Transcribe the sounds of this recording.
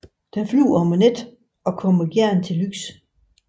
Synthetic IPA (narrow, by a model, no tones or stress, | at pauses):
d̥enfly̰ːɒmened̥ | ɒ̽kʰɒ̽m̰əɡ̥jæɐ̰nt͡sʰe̝lyɡ̥s